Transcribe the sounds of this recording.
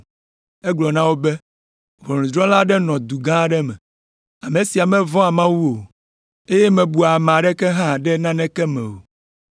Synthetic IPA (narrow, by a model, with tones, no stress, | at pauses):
ɛ˦ɡ͡blɔ˨nã˦wo˦bɛ˦ | vɔ˨nũ˨d͡ʒɾɔ̃˦la˦ɖɛ˦nɔ̃˨d̪u˨ɡã˦ɖɛ˦mɛ̰̃˨ | a˨mẽ˨si˨a˨mɛ̃˦vɔ̃˦a˨mã˦wu˦o˨ | e˦jɛ˦mɛ̃˨bu˨a˨m̃˨a˨ɖɛ˦kɛ˦ɦã˦˨ɖɛ˦nã˦nɛ̃˦kɛ˦mɛ̰̃˨wo̰˨